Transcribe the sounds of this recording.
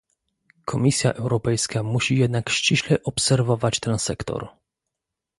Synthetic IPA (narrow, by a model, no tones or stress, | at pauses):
kʰɔmʲisʲja̰ʔɛwɾɔpɛjskamuɕijɛd̪nakɕt͡ɕiɕlɛʔɔpsɛɾvɔvat͡ɕt̪ɛnsɛkt̪ɔ̰ɾ